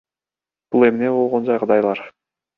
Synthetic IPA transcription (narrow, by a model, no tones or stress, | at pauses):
b̥ulˠe̞mne̞bo̞lˠʁo̞nd͡ʒɑjqʰɑd̪ɑjlˠɑɾ